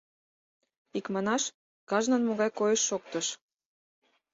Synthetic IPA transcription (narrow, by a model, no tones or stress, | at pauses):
ikmɑnɑʃ | kɑʒnə̆nmoɣɑjkojəʃːok̚t̪əʃ